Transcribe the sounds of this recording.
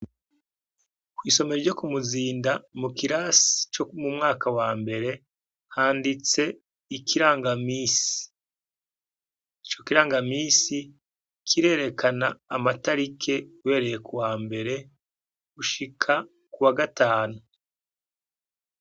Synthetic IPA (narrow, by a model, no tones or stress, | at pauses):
kwiːso̞meɾɾɟo̞kumuziːndamukiɾasi̥t͡ʃomumŋaːkawaːmbe̞ɾe̞ | haːndit͡se̞ | ikiɾaːŋɡamiːsi̥ | it͡ʃo̞kiɾaːŋɡamiːsi | kʰiɾe̞ːɾe̞kanaːmataɾikʰe̞we̞ːɾe̞jekuwaːmbe̞ɾe̞ | ɡuʃikʰa | kuwaɡataːnu